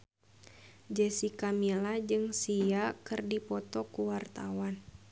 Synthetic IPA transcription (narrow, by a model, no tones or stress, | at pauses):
d͡ʒəsikamilad͡ʒɨŋsiakɨrdipɔt̪ɔkuwart̪awan